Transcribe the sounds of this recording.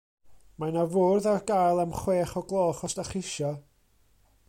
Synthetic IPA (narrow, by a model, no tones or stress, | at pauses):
manavoːrðarɡajlˠamχweːχɔɡlˠɔːχɔstaχɪʃɔ